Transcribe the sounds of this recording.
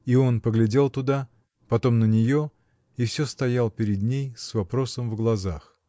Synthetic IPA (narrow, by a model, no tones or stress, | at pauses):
io̞npəɡlʲɪdʲe̞lˠt̪ʊd̪a | pɐt̪o̞mnənʲɪjo̞ | ifsʲost̪ɐjalˠpʲɪɾʲɪd̪nʲejsvɐpɾo̞səmvɡlˠɐzax